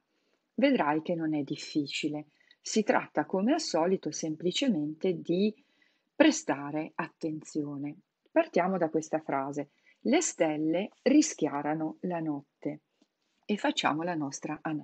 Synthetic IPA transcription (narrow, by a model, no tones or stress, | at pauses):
ved̪ɾajk̟enːonɛd̪ːifːiːt͡ʃile | sit̪ɾʔa̰t̪ːakomeasɔːlit̪osemplit͡ʃement̪ed̪i | pɾest̪aːɾeat̪ːent̪sjoːne | part̪jaːmod̪akwest̪afɾaːze | lest̪ɛlːerisk̟jaːɾanolanɔt̪ːe | efːat͡ʃːa̰ːmolanɔst̪ɾaʔan